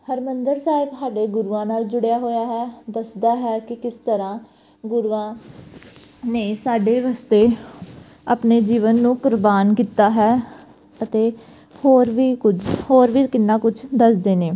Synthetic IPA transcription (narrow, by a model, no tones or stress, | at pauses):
həɾmənd̪əɾsaːɪbsaːɖeːɡʊɾuãːnaːld͡ʒʊɽejaːɦoːjaːɦɛːd̪əsd̪aːɦɛːkɪkɪst̪əɾãː | ɡʊɾuːãː | neːsaːɖeːʋaːst̪eː | aːpneːd͡ʒiːʋənːũːkʊɾbaːnkiːt̪aːɦɛː | ət̪eː | hoːɾʋiːkʊd͡ʒhoːɾʋiːkɪnːãːkʊd͡ʒʰd̪əsd̪eːneː